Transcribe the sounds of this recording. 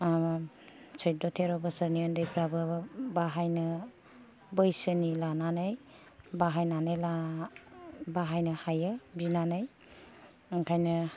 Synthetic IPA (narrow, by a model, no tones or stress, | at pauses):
t͡ʃʰɔj̚dɔtʰeɾɔbəsəɾniandɯjpʰɾabɯbaɦajnɯ | bəjsɯnilananaj | baɦajnanajla | baɦajnɯhajabinanaj | ŋkʰajnɯ